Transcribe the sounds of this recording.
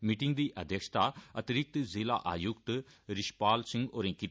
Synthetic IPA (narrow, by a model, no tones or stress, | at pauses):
miːʈɪŋɡd̪iːʔəd̪ʱjəkʃt̪aːət̪ɪɾɪk̚t̪zeːla̰ːʔa̰ːjʊk̚t̪ɾɪʃpaːlsɪ̃ŋɡoːɾẽːki